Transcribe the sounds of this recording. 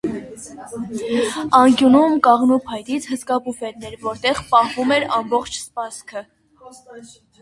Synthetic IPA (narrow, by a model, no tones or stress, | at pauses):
ɑŋkjunumkɑʁnupʰɑjt̪it͡sʰhəskɑpufɛt̪nɛɾvɔɾt̪ɛʁpɑhvumɛɾɑmbɔχt͡ʃʰspɑskʰə